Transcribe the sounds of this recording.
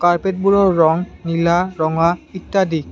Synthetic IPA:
kaɾpeʈ̚buɾoɾɔŋnilaɾɔŋait̪ːad̪ik

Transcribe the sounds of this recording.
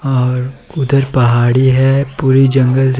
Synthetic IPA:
ɔːɾʊd̪ʱəɾpɐɦaːɽiɦɛpuːɾid͡ʒɐ̃ŋɡəl

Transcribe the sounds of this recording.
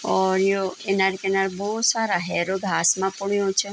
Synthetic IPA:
ɔɾijoenaɾkenaɾbɔɦusaɾaɦɛɾoɡʱasmãpʊɳijõt͡ʃʰe

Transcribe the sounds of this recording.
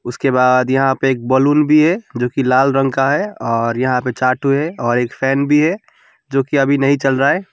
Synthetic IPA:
ʊskebaːd̪jɐɦãpeeːk̚bəlunbʱiɦɛd͡ʒoːkilaːlɾə̃ŋkaɦɛɔːɾjɐɦãpet͡ʃaːʈʰuɦɛɔːɾeːkpʰɛːnbʱiɦɛ | d͡ʒoːkiɐbʱinəɦĩt͡ʃəlɾaɛ

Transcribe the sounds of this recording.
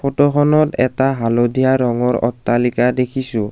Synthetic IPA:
fʰɔtɔxɔnɔtɛ̰taɦalodijaɹɔŋɔɹɔ̰tːalikadekʰisʊ

